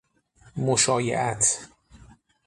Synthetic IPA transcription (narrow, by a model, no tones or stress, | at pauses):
moʃɒːjḛʔæt̪ʰ